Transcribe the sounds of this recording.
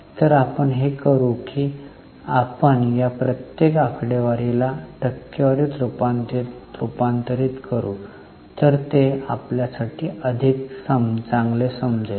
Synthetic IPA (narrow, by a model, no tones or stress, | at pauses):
t̪əɾapəɳɦekəɾuki | apəɳjapɾət̪jekakʰɽeʋaɾelaʈəkːəʋaɾet̪ɾupant̪et̪ɾupant̪əɾiːt̪kəɾuː | t̪əɾt̪eapljasaʈʰiːəd̪ʱiksəmt͡sãŋɡlesəmd͡ze